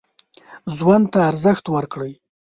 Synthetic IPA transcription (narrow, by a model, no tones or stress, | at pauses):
zwand̪̚t̪aːɾzəxt̪wəɾkɽəj